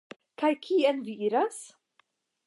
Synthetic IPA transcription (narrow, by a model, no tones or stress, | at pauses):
kajkʰiɛnviiɾas